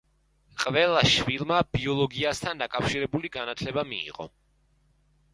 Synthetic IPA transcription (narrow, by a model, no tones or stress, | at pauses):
qʼvɛlˠaʃvilˠmab̥iɔlˠɔɡiast̪ʰand̪akʼafʃiɾɛbuliɡanat̪ʰlɛbamḭːʁʼɔ̰